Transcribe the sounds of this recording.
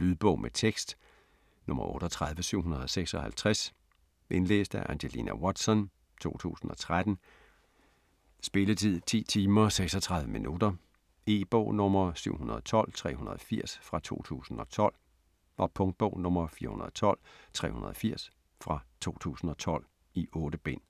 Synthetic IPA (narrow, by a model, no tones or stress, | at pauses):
lyðˠb̥ɔʊ̰mʔet͡sʰeɡ̥sd̥ | nɔ̽mɐʔɔːɾ̥ɒt͡sʰʁɑ̈ð̞ˠʋəsyʊ̰ɦunɐð̞ˠɒ̽seɡ̥sɒ̽hælt͡sʰʁas | ʔe̝nlḛːsd̥æʔænɕelḭːnæwɒd̥sɒ̽n | t͡sʰo̝̰ːt͡sʰṵːsn̩ɒ̽t͡sʰʁad̥n̩ | sb̥e̝lət͡sʰið̰ˠt͡sʰḭːt͡sʰiːmɐseɡ̥sɒt͡sʰʁɑ̈ð̞ˠʋəminʔud̥ɐ | e̝ːb̥ɔ̰ʊnɔ̽mɐsyʊ̰ɦunɐð̞ˠt͡sʰɒ̽l̰t͡sʰʁɛ̰ːhunɐð̞ˠɒfiɐ̰sfʁɑ̈t͡sʰo̝̰ːt͡sʰṵːsn̩ɒ̽t͡sʰɒ̽l̰ | ɑ̈pʰɔ̽ŋd̥̚b̥ɔʊnɔmɐfiːɐhunɐðˠɒt͡sʰɒ̽l̰t͡sʰʁɛ̰ːhunɐð̞ˠɒfiɐ̰s | fʁɑ̈t͡sʰo̝̰ːt͡sʰṵːsn̩ɒ̽t͡sʰɒ̽l̰ | iʔɔ̽ːd̥əb̥e̝n̰